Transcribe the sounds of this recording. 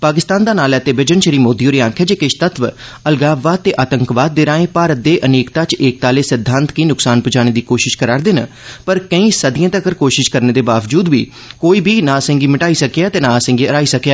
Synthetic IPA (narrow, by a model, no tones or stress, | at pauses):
paːkɪst̪aːnd̪aːnaːlɛːt̪eːbɪd͡ʒənʃəɾiːmoːd̪iːoːɾiːãːkʰeaːd͡ʒeːkɪʃt̪ət̪ʋ | əlɡaːʋaːt̪ːeːʔaːt̪əŋkʋaːd̪̚ːeːɾãːẽːpaːɾət̪̚d̪eːʔəneːkt̪aːt͡ʃeːk̚t̪aːleːsɪd̪ʱːãːnt̪kiːnʊksaːnpʊt͡ʃaːɽ̃eːd̪iːkoːʃɪʃkəɾaːɾd̪eːnə | pəɾkə̃ĩːsəd̪ɪjãːt̪əkəɾkoːʃɪʃkəɾneːd̪eːbaːʋd͡ʒuːd̪ʋḭː | koːiːbiːnãːsə̃ŋɡiːməʈaːiːsəkejaːt̪eːnãːsə̃ŋɡiːəɾaːiːsəkjaː